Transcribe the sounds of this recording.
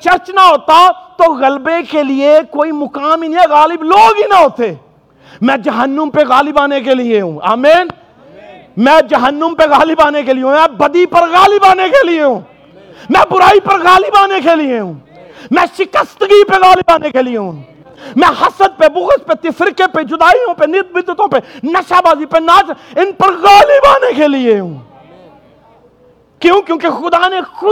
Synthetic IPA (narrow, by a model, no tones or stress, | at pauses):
t͡ʃɐɾt͡ʃnaɦoːt̪at̪oɣɐlbekelɪekoːimʊkaːminĩɣaːlɪbloːɡɦinɐɦoːt̪eː | mɛ̃d͡ʒɐɦənːəmpeɣaːlɪbaːnekelieɦũːa̰ːmeːn | mɛ̃d͡ʒɐɦənːəmpeɣaːlɪbaːnekelieɦũmɛ̃bɐd̪ipɐɾɣaːlɪbaːnekelieɦũː | mɛ̃ːbʊɾaːipɐɾɣaːlibaːnekelieɦũː | mɛ̃ːʃɪkəst̪ɡipeɣaːlibaːnekelieɦũː | mɛ̃hɐsəd̪̚pebʊɣəspet̪ɪfɪɾkeped͡ʒʊd̪aːijõpenɪt̪̚bɪd̪ɪt̪õpenɐʃabaːzipenaːd͡ʒɪnpɐɾɣaːlibaːnekelieɦũː | kjõːkjõːkexʊd̪anexʊ